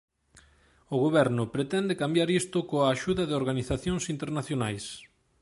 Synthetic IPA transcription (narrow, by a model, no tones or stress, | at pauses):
ʊɣoβɛɾnʊpɾet̪ɛnd̪ekambjaɾist̪ʊkoaːʃuðɐðɪoɾɣaniθaθjoŋsint̪eɾnaθjonajs